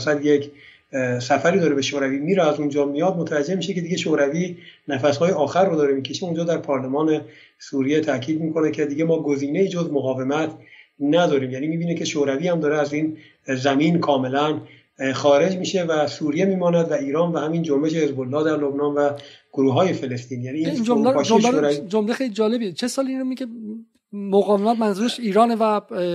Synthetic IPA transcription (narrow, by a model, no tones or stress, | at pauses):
sæd̪jekʰ | sæfæɾiːd̪ɒːɾebe̞ʃoːɾæviːmiːɾeæzund͡ʒɒːmijɒːd̪mot̪ʰævæd͡ʒe̞hmiːʃeke̞d̪iɡeʃoɾæviːnæfæshɒːjeɒːxærːod̪ɒːɾemiːkʰe̞ʃeund͡ʒɒːd̪æɾpʰɒːɾlemɒːne̞ | suːɾijet̪ʰækʰiːd̪miːkʰo̞nekcʰed̪iːɡemɒːɡoziːne̞iːd͡ʒozmoɣɒːve̞mæt̪ʰnæd̪ɒːɾiːmjæːnimiːbiːnekʰe̞ʃoɾæviːhæmd̪ɒːɾeæziːn | zæmiːnkʰɒːme̞læn | xɒːɾe̞d͡ʒmiːʃe̞væsuːɾijemiːmɒːnæd̪væiːɾɒːnvæhæmiːnd͡ʒombe̞ʃe̞he̞zbolːɒːhd̪æɾlo̞bnɒːnvæɡ̥oɾuːɦɒːje̞fe̞lest̪iːnjæːniːnomɒːʃoʃoɾævid͡ʒomlexejlid͡ʒɒːlebiet͡ʃʰesɒːliinɾomiɡe | moɣɒːvemæt̪mænzuːɾeʃiːɾɒːnevæ